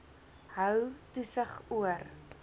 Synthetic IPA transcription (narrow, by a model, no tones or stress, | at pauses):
ɦœwtusəχuər